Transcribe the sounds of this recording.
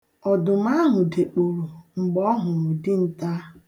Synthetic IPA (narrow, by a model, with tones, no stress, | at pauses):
ɔ˨dʊ˨m̩˦a˦ɦʊ˨de˨k͡po˨ɾo˨ŋ͡m̩˨ɡ͡bɔ˦ɦʊ˨ɾʊ˨dɪ˦n̩˦ta˦